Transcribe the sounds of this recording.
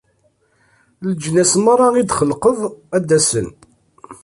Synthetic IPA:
ləd͡ʒnæsmɑɾˤɑid̪χəlqəvæd̪ːæsən

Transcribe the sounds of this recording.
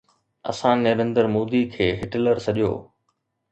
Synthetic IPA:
ɐ̰sãnɐɾẽnd̪əɾmoːd̪ikʰeːɦɪʈɪləɾsɐʄijo̰ː

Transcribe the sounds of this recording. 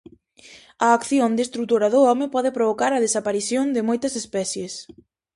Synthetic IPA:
ɐːkθjond̪est̪ɾut̪oɾɐðʊɔmɪpɔðɪpɾoβokaɾɐðesapaɾiθjond̪ɪmojt̪ɐsespɛθjes

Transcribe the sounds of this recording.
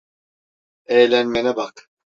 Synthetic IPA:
ejlʲænmenɛbak

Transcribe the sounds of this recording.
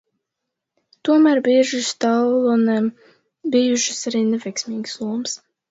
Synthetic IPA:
t̪uɔmæːɾbiɛʒɨst̪allˠɔnɛm | bijuʃɨ̥saɾiːnɛvɛjksmiːɡslˠuɔms

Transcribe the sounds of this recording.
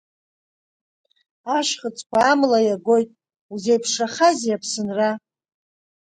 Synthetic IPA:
aʃχət͡sʼkʷaːmlajaɡʷo̞jtʼ | uzejpʰʂaχazjapʰsɨnra

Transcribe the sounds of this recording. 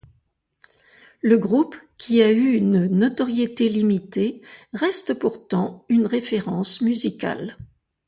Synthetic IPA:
ləɡʁupkʲʰiayːnnɔt̪ɔʁjet̪elimit̪eʁɛst̪əpuʁt̪ɑ̃ynʁefeʁɑ̃smyzika̰l

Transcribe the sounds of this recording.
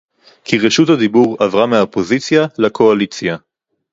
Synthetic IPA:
kʰiʁeʃuthad̪ibuʁavʁameapo̞zit͡sjalakʰo̞alit͡sja

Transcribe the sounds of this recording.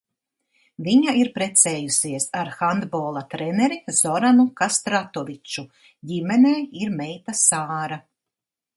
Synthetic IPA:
viɲaiɾpɾɛt̪sɛːjusiɛsaɾxand̪boːlˠat̪ɾɛnɛɾiz̥ɔɾanukast̪ɾat̪ɔvit͡ʃu | ɟimɛneːiɾmɛjt̪asaːɾa

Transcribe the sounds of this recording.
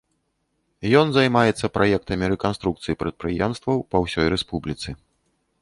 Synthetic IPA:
jɔnzajmajɛt̪sːɐpɾʔajɛk̚t̪ɐmʲiɾɛkanst̪ɾukt̪sɨjipɾɐt̪̚pɾɨjɛmst̪vɐwpɐwsʲɔjɾɛspublʲit̪sɨ

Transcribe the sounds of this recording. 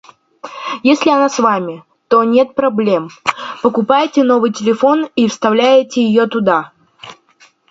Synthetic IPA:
jesʲlʲɪɐnasvamʲɪ | t̪onʲe̞t̪̚pɾɐblʲe̞mpəkʊpajtʲɪno̞vɨjtʲɪlʲɪfo̞nifst̪ɐvlʲæjɪtʲɪjɪjot̪ʊd̪a

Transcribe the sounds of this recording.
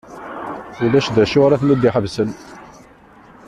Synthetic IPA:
ulæʃd̪æʃʊɾæθnəd̪ːiħəvsən

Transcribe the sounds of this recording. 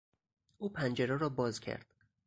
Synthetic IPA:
ʔuːpʰænd͡ʒeɾɛɾɒːbɒːzcʲʰæ̰ɾd̪̥

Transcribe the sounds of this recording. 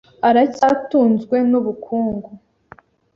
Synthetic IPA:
aɾacatuːnzɡwe̞nuβukʰuːŋɡu

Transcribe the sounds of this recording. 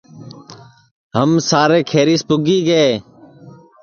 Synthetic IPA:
ɦəmsaːɾeːkʰeːɾiːspʊɡiːɡəeː

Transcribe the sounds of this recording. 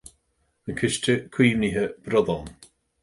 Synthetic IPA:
ənkʰɪʃtʰəkʰw̥iːvniɦəb̥ɾɔðɔn

